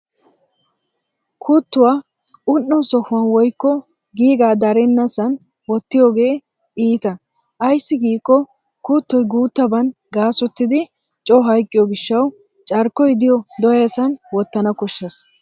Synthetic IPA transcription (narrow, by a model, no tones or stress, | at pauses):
kʰʊt̪ːʊwaː | ʔʊnːɔsɔhʊwɐnwɔjkːɔ | ɡiːɡaːd̪ɐɾɛnːɐsɐn | wɔt̪ːɪjoːɡe̞ː | iːt̪ɐ | ʔɐjsːɪɡiːkʼːɔ | kʊt̪ːɔjɡuːt̪ːɐbɐn | ɡaːsʊt̪ːɪd̪ɪ | t͡ʃʼɔɦɐjkʼːɪjɔɡɪʃːɐw | t͡ʃʼɐɾkːɔjd̪ɪjɔd̪ɔjɐsɐnwɔt̪ːɐnɐkɔʃːɐs